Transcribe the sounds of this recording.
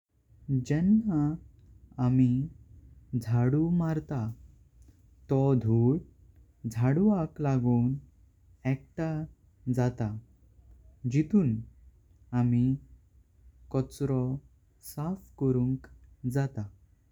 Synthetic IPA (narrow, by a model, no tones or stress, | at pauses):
d͡ʑɛnːa | ami | d͡zʱaɽumaɾt̪a | t̪ɔd̪ʱuɽ | d͡zʱaɽuaklaɡuːn | ɛkʈa | d͡zat̪a | d͡ʑit̪uːn | ami | kɔt͡sɾɔ | safkɔɾuŋkd͡zat̪a